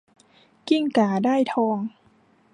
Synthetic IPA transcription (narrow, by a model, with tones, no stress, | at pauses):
ki˥˩ŋkaː˨˩˦daː˥˩jt̪ʰɔː˧ŋ